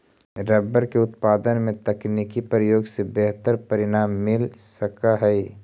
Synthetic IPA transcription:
ɾɐbəɾkeʊt̪paːd̪ənmẽt̪ɐkniːkipɾəjoːɡsebɛɦt̪əɾpɐɾɪnaːmːɪlsəkaɦɛi

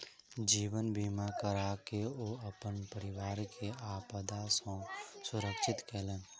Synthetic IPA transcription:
d͡ʒiːwənbiːmakəɾaːkeoːɐpənpəɾɪʋaːɾkʰeaːpəd̪asõsʊɾəkʃɪt̪keːlẽː

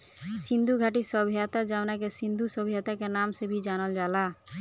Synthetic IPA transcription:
sĩnd̪ʱuɡʱaʈisəbʱijat̪ad͡ʒaʊnakesĩnd̪ʱusəbʱijat̪akenaːmsebʱid͡ʒanəld͡ʒaːla

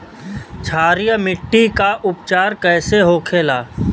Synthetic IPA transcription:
t͡ʃʰaːɾijəmɪʈːikaʔʊpt͡ʃaːɾkɛːseɦoːkʰeːlaː

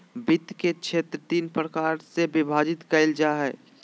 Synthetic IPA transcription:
bɪt̪ket͡ʃʰeːt̪ɾət̪iːnpɾəkaːɾsebɪbʱaːd͡ʒɪt̪kɐɪld͡ʒaɦɛː

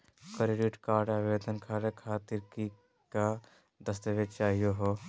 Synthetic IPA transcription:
kəɾeɖiʈkaːɾɖaːʋeːd̪ənkʰaːɾekʰaːt̪iɾki | ka | d̪əst̪əʋet͡ʃaːɦijoɦo

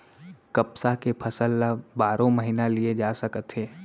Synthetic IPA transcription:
kəpsakepʰɐsəlːabaːɾõməɦiːnalied͡ʒaːsəkət̪ɦeː

